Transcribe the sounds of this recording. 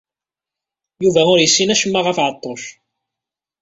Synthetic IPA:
juvæʊɾjəsːinæʃəmːaʁəfʕət̪ˤːoʃ

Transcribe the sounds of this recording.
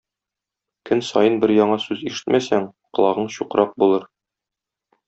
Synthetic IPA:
kɘnsɒjɤnbɘɾjɒɴɑsʉziʃɘ̥t̪mʔæsæŋqɤ̆lˠɑʁɤɴɕuqɾʔɑq̚bulˠɤɾ

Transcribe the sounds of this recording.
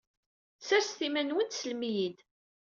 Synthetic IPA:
sæɾsθimænwənsəlmijid̪

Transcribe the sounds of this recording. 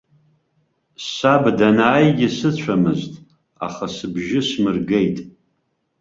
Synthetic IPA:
sabdanaːjɡʲɪsɨt͡ɕʷʰamɨztʼ | a̰χasɨbʒɪsmɨrɡe̞jtʼ

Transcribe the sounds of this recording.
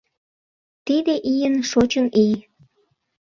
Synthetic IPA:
t̪id̪eʔijənʃot͡ɕənij

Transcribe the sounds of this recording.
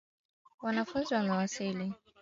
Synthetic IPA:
wanafunziwanawasili

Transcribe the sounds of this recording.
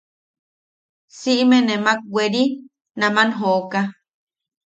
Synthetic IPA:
siʔmẽnemak̚weɾi | nãmanɦoʔoka

